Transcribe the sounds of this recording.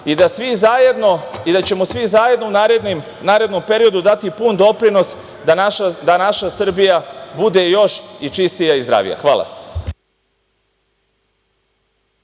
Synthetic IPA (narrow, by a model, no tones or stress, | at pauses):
id̪asʋizajed̪noid̪at͡ɕe̞mo̞sʋizaːje̞d̪nounaɾed̪nim | naːɾe̞d̪no̞mpe̞ɾijo̞d̪ud̪at̪ipund̪o̞pɾino̞s | d̪aaad̪anaʃasr̩bijabud̪e̞jo̞ʃit͡ʃist̪ijaizd̪ɾa̰ːʋḭja̰xʋa̰ːlˠa̰